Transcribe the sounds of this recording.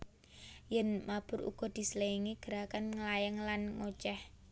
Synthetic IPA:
jɛnmab̥ʊ̤ɾṵɡ̥ɔ̤d̪̥i̤səleiŋiɡ̥əɾakanŋəlajaŋlanŋot͡ʃɛh

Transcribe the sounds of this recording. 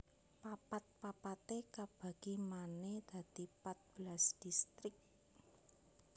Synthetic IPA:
papat̪̚papat̪ekab̥ä̤ɡ̥imaned̪̥a̤d̪̥i̤pat̪̚b̥lasd̪̥ist̪ɾɪk̚

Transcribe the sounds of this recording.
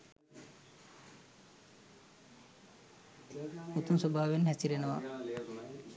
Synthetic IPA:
ut̪unsobʱaːʋenhæsiɾenəʋa̰

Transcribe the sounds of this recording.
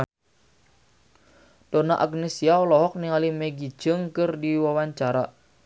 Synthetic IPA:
d̥onaʔaɡnesiaɔlɔɦɔk̚niŋalimɛɡi̥d͡ʒ̥əŋkərdiwawaɲt͡ʃaɾa

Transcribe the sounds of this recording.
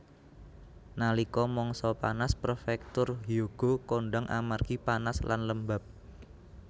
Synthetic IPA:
nalikɔmɔŋsɔpanasprofɛk̚t̪ʊrɦjoɡ̥o̤koɳɖaŋʔa̰marɡ̥ipanasla̰nləmbap̚

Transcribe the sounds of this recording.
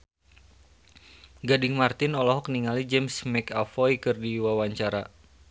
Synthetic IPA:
ɡadɪŋmart̪ɪnɔlɔɦɔk̚niŋalid͡ʒɛmsmɛkafɔjkɨrdiwawaɲt͡ʃaɾa

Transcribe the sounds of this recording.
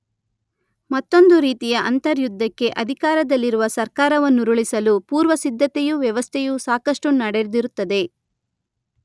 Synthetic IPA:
mɐt̪ːo̞nd̪uɾiːt̪ijɐʔɐnt̪ɐɾjud̪ʱːɐkːe̞ʔɐd̪ʱikaːɾɐd̪ɐlːiɾuʋɐsɐɾkaːɾɐʋɐnːuɾuɭisɐlupuːɾʋɐsid̪ʱːɐt̪ejuʋjɐʋɐst̪ʰɛjusaːkɐʂʈunɐɽeɾd̪iɾut̪ːɐd̪e̞

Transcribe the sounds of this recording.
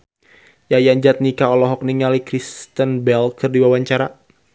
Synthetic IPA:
jajaɲd͡ʒat̪̚nikaɔlɔɦɔk̚niŋalikɾist̪ənbɛlkɨrdiwawaɲt͡ʃaɾa

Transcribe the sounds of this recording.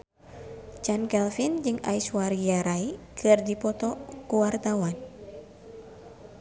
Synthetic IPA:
t͡ʃankɛlfind͡ʒɨŋa̰iswaɾijaɾaikʰɨrdipɔt̪ɔkuwart̪awan

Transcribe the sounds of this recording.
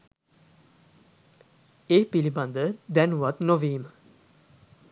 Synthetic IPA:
epiliband̪əd̪ɛnuwat̪noviːm

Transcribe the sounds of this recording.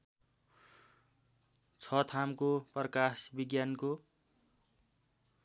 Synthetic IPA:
t͡sʰʌt̪ʰamkoprʌkasbiɡjanko

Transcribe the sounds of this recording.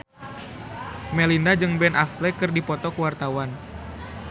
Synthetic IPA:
melinad͡ʒɨŋbɛnʔaflɛkɨrdipɔt̪ɔkəwart̪awan

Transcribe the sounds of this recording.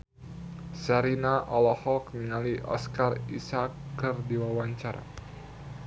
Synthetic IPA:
saɾinaʔɔlɔhɔkniŋaliʔɔ̰skarisakːɨrdiwawaɲt͡ʃaɾa̰

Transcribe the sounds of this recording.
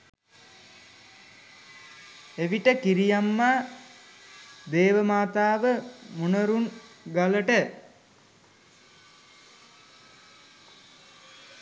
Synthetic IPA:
eʋiʈəkiɾijamːa | d̪eːʋəmaːt̪aːʋəmunəɾuŋɡaləʈə

